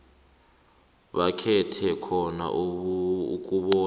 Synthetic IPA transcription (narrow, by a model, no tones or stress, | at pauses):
ɓakʰɛtʰɛkʰɔna̰ʔ | k̬ʼuɓɔː